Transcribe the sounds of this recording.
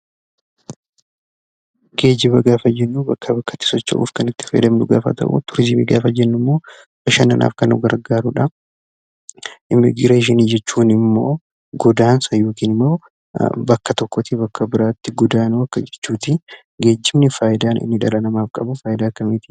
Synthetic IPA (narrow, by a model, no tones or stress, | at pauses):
ɡ̥e̞ːd͡ʒɪbɐɡaːfɐd͡ʒɛnːubɐkʰːɐbɐkːɐt̪ːɪ̥sɔt͡ʃːɐ̰ʔṵːfkɐnɪt̪ːɪ̥fḛːd̪ɐmnʊɡa̰ːfɐ̰t̪ɐ̰ʔṵt̪ʊɾɪsɪmḭɡaːfɐd͡ʒɛnːʊmːo̞ː | ɐʃɐnɐnʔa̰ːfkɐnʊ̰ɡɐɾɡaːɾʊᶑɐ | ʔɪmːɪ̰ɡɪɾeːʃ̬ɪniːd͡ʒɛt͡ʃːuːnɪmːo̞ː | ɡɔd̪aːnsɐjoːkiːnɪmːo̞ː | bɐkːɐt̪ɔkːɔt̪ibɐkːɐbɪɾaːt̪ːɪɡɔd̪aːnʊɐkːɐd͡ʒɛ̥t͡ʃːuːt̪ɪ | ɡe̞ːd͡ʒːɪmnɪfaːjɪd̪aːnɪ̰nːɪᶑɐlɐnɐmaːfkʼɐbʊfaːjɪd̪aːkːɐmiːt̪ɪ̥